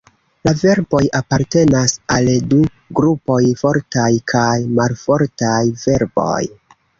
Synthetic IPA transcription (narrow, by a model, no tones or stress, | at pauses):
lave̞ɾbo̞japaɾte̞nasaldu | ɡɾupo̞jfo̞ɾtajkʰajmalfo̞ɾtajve̞ɾbo̞̰j